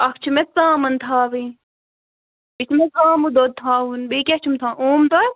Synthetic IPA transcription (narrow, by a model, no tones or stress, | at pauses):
ɐkt͡ʃʰimet͡sãːmɐnt̪ʰaːʋĩ | bit͡ʃʰmet͡sãːmud̪oːt̪ʰaːunbiket͡ʃʰumt̪ʰãːʔoːmt̪o